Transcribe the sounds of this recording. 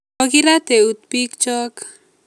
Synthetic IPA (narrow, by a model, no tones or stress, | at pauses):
ɔɡiɾat̪eut̪̚pik̚t͡ʃɔk